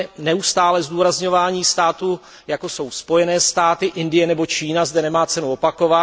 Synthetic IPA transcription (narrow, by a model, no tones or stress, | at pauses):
nɛust̪aːlɛzduːɾazɲo̞vaːɲiːst̪aːt̪u | jako̞so̞wspo̞jɛnɛːst̪aːt̪ɪʔɪndɪjɛnɛbo̞t͡ʃiːnazdɛnɛmaːt͡sɛnuopako̞va